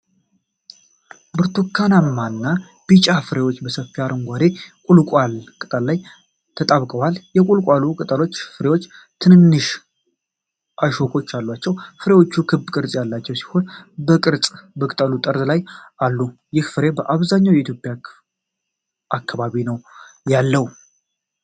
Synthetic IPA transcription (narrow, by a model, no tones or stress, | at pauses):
bɨɾt̪ʰukʰːanamːanːa | b̥it͡ʃʼafɨɾe̞wot͡ʃːbəsəfːiaɾɨŋɡʷad̪e̞kʼulkʼwalkʼɨt̪ʼəllaj | t̪ʰət̪ʼaβkʼəwaljɛkʼulkʼalukʼɨt̪ʼəlo̞t͡ʃːfɨɾe̞wo̞t͡ʃː | t̪ʰɨnɨnːɨʃ | ʔaʃokʼo̞t͡ʃːalːwat͡ʃːɛwfɨɾe̞wo̞t͡ʃːukʰɨbkʼɨɾt͡sʼjalːat͡ʃːɛwsi̥ho̞nbəkʼɨɾt͡sʼbəkʼɨt̪ʼəlut̪ʼəɾt̪lajalːujɪhfɨɾe̞bəʔaβzaɲːawjɛit̪ʰjo̞pʼja | ʔakːaβaβinəwjalːəw